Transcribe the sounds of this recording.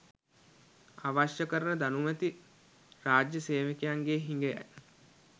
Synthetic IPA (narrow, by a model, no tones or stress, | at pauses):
aʋaʃjəkəɾənəd̪anumæt̪i | raːd͡ʒjəseːʋəkejaŋɡeːɦiŋɡeja̰j